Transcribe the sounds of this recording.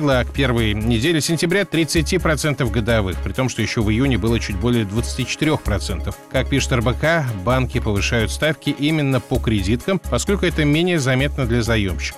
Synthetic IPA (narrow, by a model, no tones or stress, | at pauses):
ɡlˠəkpʲe̞rvəjnʲɪdʲelʲɪsʲɪnʲtʲɪbɾʲat̪ɾʲɪt̪sɨtʲipɾɐt̪sɛnt̪əfɡəd̪ɐvɨxpɾʲɪt̪o̞mʂt̪ojɪɕːo̞vɨjunʲɪbɨlˠət͡ɕut̚ʲbo̞lʲɪjəd̪vət̪sɨ̥tʲit͡ɕɪ̥t̪ɪɾʲo̞xpɾɐt̪sɛnt̪əfkak̚pʲiʂɨ̥t̪ɛrbəkabankʲɪpəvɨʂajʊt̪st̪afkʲɪʔimʲɪnːəpəkɾʲɪdʲit̪kəmpɐsko̞lʲkʊɛt̪əmʲenʲɪjəzɐmʲe̞t̪nəd̪lʲɐzɐjo̰mɕːɪ̥kə